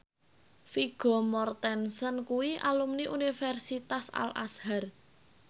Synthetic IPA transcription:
fiɡ̥ɔ̤mɔrt̪ɛnsənkuwiʔalumniʔunifɛrsit̪asa̰lʔa̰shar

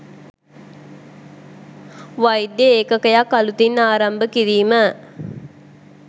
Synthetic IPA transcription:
ʋɐjd̪ːjeekəkəjakːɐlut̪inːaːɾɐmbəkiɾiːmə

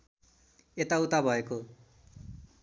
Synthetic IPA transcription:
et̪aut̪abʱʌeko

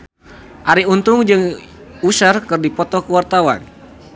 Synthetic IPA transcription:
ʔaɾiunt̪ʊŋd͡ʒɨŋusərkɨrdipɔt̪ɔkəwart̪awa̰n

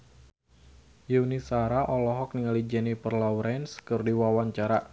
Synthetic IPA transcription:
juunisaɾaʔɔlɔɦɔk̚niŋalid͡ʒɛnipərlawɾɛnskɨrdiwawaɲt͡ʃaɾa

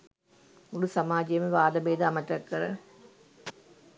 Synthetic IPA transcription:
ulusɐmaːd͡ʒijɐmeʋaːd̪ɐbeːd̪ɐɐmɐʈ̪ːɐkːɐɾɐ̰

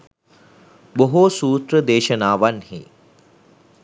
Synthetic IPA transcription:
boɦusuːt̪ɾəd̪eːʃənaːʋanhḭ

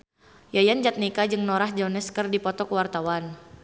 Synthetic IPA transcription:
jajand͡ʒat̪̚nikad͡ʒɨŋnoɾahd͡ʒɔnəskərdipɔt̪ɔkəwart̪awan

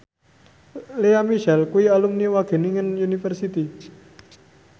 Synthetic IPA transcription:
leamiʃɛlkuialumniwaɡ̥e̤niŋənunifərsit̪i

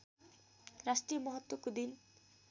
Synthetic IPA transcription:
ɾasʈɾijomɔɦɔt̪ːwokud̪in

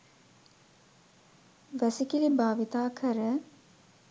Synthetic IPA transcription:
ʋæsikilibaːʋit̪aːkʰəɾə

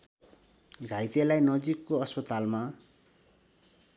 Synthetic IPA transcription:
ɡʱajt̪elajnʌd͡zikːoʌspʌt̪alma

